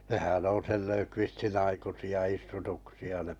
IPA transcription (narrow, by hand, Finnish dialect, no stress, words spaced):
nehæn on̞ sel løkʋistin ɑikusiɑ istutuksiɑ ne